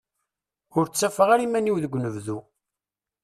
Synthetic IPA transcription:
ʊɾt͡sːæfəʁaɾimæniwðəɡʷːnəvðu

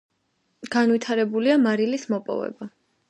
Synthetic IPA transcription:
ɡ̥anvit̪ʰaɾɛbuliamaɾilismɔpʼɔ̰vɛ̰ba

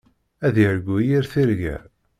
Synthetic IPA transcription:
æðəɾɡʷːujiɾθiɾʝæ̰

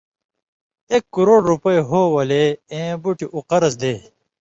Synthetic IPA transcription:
eːkːuɾoːɽɾupɐiɦoːwɐleẽːbuʈiʔuqɐɾɐs̬d̪eː

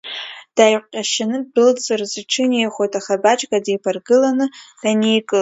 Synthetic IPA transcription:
d̥ajqʷqʲʼaʃanɨbɨlt͡sʼɨrzɨʈ͡ʂʰɨnejχʷojtʼaχabat͡ʃʼɡʼadejpʰarɡɨlanɨd̥anijkʼɨ

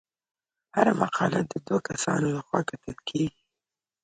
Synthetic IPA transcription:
haɾamaqʰɑlad̪əd̪wakasɑ̰nolaxwakat̪əlkʰeɡi

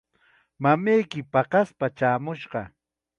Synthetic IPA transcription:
mamejkɪpɑqɑspat͡ʃaːmʊʃɢɑ

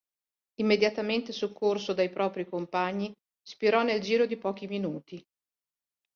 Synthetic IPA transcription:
imːed̪jat̪ament̪esokʰːorsod̪ajpɾɔːpɾikompaɲːi | spiɾɔnːeld͡ʒiːɾod̪ipɔːk̟iminuːt̪i

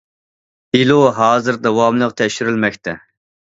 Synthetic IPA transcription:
iluɦɑːzɨɾd̪ɛwɑmlˠəqt̪ʰɛʃyɾylmɛkʲt̪ʰɛ

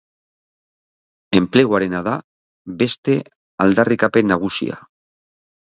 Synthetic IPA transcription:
empleɣwaɾenaða | βest̪e | ald̪arikapenaɣ̞usḭa̰

